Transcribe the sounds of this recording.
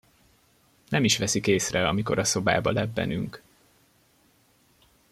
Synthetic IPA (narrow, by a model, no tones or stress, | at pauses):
nʔɛmiʃʋɛsikeːsrɛɒmiko̞ɾɒso̞ba̰ːbɒlɛbːɛ̰nyŋk